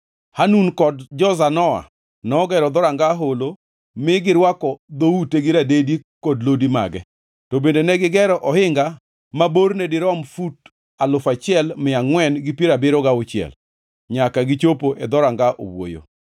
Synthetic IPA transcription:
hanunkɔdd͡ʒɔzanɔa̰ | nɔːɡɛɾɔd̪ɔɾaŋɡaɦolo | mɪɡɪɾwakɔd̪outeɡɪɾadedikɔdlodima̰ɡɛ | tɔbendenɛɡɪɡɛɾɔʔɔhɪŋɡa | mabornɛdɪɾɔmfut | alʊfat͡ʃɪɛlmɪaŋwɛnɡɪpieɾabɪɾɔɡaʊt͡ʃɪɛ̰l | ɲakaɡɪt͡ʃopoʔɛd̪ɔɾaŋɡaʔo̰wwo̰jo̰

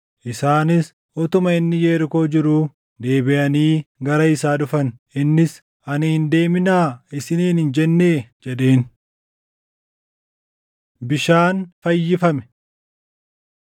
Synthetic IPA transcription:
ʔɪsaːnɪs | ʔɔt̪ʊmɐɪnːɪjeːɾɪko̞ːd͡ʒɪɾuː | d̪e̞ːbɪʔɐniːɡɐɾɐɪsaːᶑʊfɐnʔɪnːɪs | ɐnɪhɪnd̪e̞ːmɪnaːɪsɪniːnhɪnd͡ʒɛnːe̞ːd͡ʒɛɗe̞ːn | bɪʃaːnfɐjːɪfɐmɛ̥

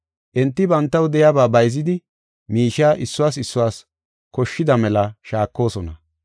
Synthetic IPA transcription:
ʔɛnt̪ːɪbɐnt̪ːɐwd̪ɛjabaːbɐjzɪd̪ɪ | miːʃaːʔɪsːʊwaːsɪsːʊwaːs | kɔʃːɪd̪ɐmɛlɐʃaːkːo̞ːsɔnɐ

